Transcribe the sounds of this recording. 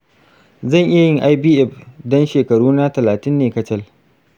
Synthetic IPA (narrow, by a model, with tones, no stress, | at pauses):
zɐ˦˨ŋʔɪ˦ja˨jɪ˦˨ŋʔa˦jbiː˦ʔɛ˦˨ɸdɔ˦nʃeː˨kɐ˨ɽuː˦na˦tɐ˨laː˨tɪ˦nːeː˨kɐ˦t͡ʃɛ˦˨l